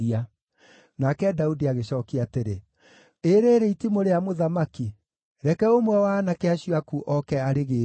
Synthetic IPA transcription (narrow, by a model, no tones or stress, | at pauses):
ia | nakɛdaudiaɣeɕɔːkiateɾe | eɾeːɾeitimoɾeamoðamaki | ɾɛkɛomwɛwaːnakeaɕiwakuʔɔkɛaɾeɣeː